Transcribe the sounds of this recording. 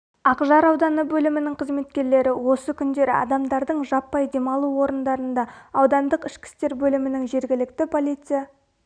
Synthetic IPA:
ɑqʒɑɾɑwd̪ɑnəbɵlɪmɪnɪŋqʰəzme̞t̪kʲe̞ɾle̞ɾɪwo̞səkʲʰʏnd̪e̞ɾɪ̰ɑ̰d̪ɑmd̪ɑɾd̪əɴʒɑpːɑjd̪e̞mɑlˠuwo̞ɾənd̪ɑɾənd̪ɑɑwd̪ɑnd̪əqɪʃkʲɪ̥st̪e̞ɾbɵlɪmɪnɪŋʒe̞ɾɡʲɪlɪkt̪ɪpʰo̞lʲijt̪sɨja

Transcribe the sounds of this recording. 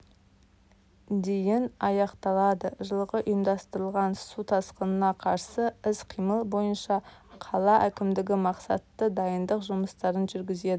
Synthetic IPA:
d̪ejɪnɑjɑqt̪ɑlˠɑd̪əʒəlˠʁəʔʊjəmd̪ɑst̪əɾəlˠʁɑnsut̪ʰɑsqənənɑqʰɑɾsəɪsqʰijməlˠbo̞jənʃɑqʰɑlˠɑʔækʲɪmd̪ɪɡʲɪmɑqsɑt̪ːəd̪ɑjənd̪əqʒʊməst̪ɑɾənʒʏɾɡʲɪze̞d̪ɪ

